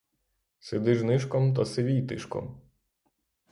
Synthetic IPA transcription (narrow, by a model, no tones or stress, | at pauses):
sed̪ɪʒnɪʃkɔmt̪ɐseʋʲijt̪ɪʃkɔ̰m